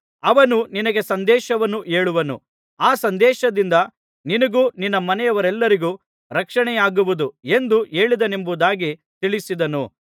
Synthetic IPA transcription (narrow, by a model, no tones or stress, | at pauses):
ɐʋɐnuninɐɡe̞sɐnd̪ɛːʃɐʋɐnːuʔe̞ːɭuʋɐnṵ | aːsɐnd̪ɛːʃɐd̪ind̪ɐ | ninɐɡuːninːɐmɐnɛjɐʋɐɾɛlːɐɾiɡu | ɾɐkʂɐɳɛjaːɡuʋud̪ue̞nd̪ue̞ːɭid̪ɐne̞mbud̪aːɡi | t̪iɭisid̪ɐnu